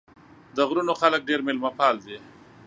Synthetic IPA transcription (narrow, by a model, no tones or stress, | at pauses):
d̪əɣɾunoxalək̚ɖeɾmɪlmapɑld̪e